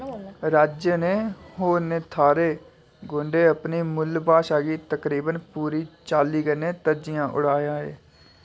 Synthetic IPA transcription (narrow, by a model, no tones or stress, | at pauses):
ɾaːd͡ʒjəneːhoːɾneːt̪ʰaːɾeː | ɡõːɳɖeːəpniːmʊlbaːʃaːɡiːt̪əkɾiːbənpuːɾiːt͡ʃaːliːkəneːt̪əd͡ʒɪjãːʔʊ̰ɽ̤aːjãːḛː